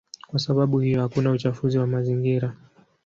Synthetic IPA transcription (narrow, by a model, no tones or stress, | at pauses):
kwasaɓaɓuhijɔhakunaut͡ʃafuziwamaziŋɡiɾa